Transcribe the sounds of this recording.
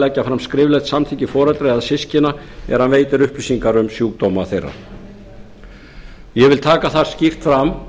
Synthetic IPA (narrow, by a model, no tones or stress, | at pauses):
lɛcːafɾamskɾɪːvlɛt̪samt̪ʰiɲcɪfɔːɾɛt̪ɾɪaðsɪscɪna | ɛ̰ɾ̥hanveːjt̪ɪɾʏhplɪsiŋkaɾʏmsjuːk̚t̪owmaθejrːa̰ | jɛvɪlt̪ʰaːkaθaɾ̥scift̪fɾam